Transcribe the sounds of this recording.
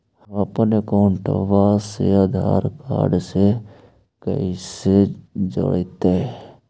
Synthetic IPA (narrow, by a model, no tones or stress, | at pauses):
həpnekoːɳʈə̰ʋasḛəd̪ʱa̰ːɾka̰ːɖse | kə̰ised͡ʒə̰ɽet̪eɦɛ